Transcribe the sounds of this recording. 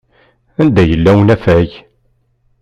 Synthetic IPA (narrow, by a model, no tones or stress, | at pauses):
ænd̪æjəlːæwnæfæʝ